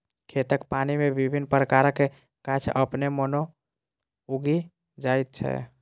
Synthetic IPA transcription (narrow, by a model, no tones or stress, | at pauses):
kʰet̪əkpaːnimebibʱinpɾəkaːɾəke | kət͡ʃʰəpnemɔno | uɡi | d͡ʒaːjt̪̚t͡ʃʰɛ̰